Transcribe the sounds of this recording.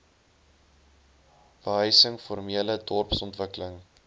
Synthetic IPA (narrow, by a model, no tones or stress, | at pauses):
b̥əɦœjsəŋformiələdɔrpsɔntvəkələŋ